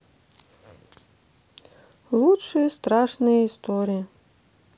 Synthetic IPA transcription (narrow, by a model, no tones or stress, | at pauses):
lˠutʂɨjəst̪ɾɑʂnɨjəist̪oɾʲijə